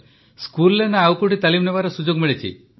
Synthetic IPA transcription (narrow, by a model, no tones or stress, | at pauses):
skulːenaawkuʈit̪alimnebaɾɔsud͡ʒoɡmiɭet͡ʃʰḭ